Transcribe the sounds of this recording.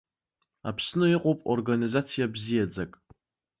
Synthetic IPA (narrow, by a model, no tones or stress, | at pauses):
a̰pʰsnɨɪqʷʼopʼo̰rɡanizat͡sʰijabzijad͡zakʼ